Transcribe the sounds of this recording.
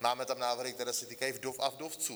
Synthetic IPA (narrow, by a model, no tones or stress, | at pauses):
maːmɛt̪amnaːvərhɪk̚t̪ɛɾasɛt̪ikajvdofa̰vdoft͡su